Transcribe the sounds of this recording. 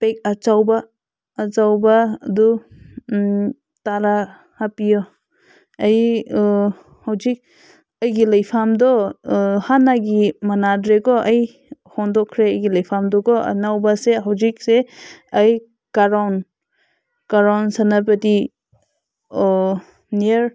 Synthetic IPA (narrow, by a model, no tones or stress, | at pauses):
pek̚at͡ʃawbaː | t͡ʃawbaːdu | taɾa | hapijɔ | aj | hawzik̚ | ɐjɡilajpʰamdɔhanaɡimanadɾekɔʔaj | hɔndɔkʰɾeɐjɡilajpʰamdɔɡɔɐ̰nawbaseɦawzik̚seɐj | kaɾawn | kaɾawnsanap̬ɐti | niɾ